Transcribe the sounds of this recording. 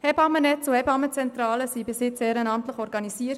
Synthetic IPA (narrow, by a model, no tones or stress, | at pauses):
hɛbɑmənɛt͡suɛbɑmət͡sɛnt̪ɾɑːləsibɪshɪt͡sɛːɾənɑmt̪ləχɔɾɡɑnisiːəɾt